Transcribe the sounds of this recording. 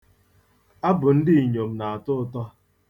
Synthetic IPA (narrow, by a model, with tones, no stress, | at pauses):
a˦bʊ˨n̩˦dɪ˦i˨ɲo˨m̩˦na˨a˨tʊ˦ʊ˦tɔ˦